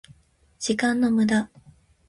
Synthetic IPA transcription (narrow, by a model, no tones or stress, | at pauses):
d͡ʑ̥ikãnːo̞mɯ̟d̪a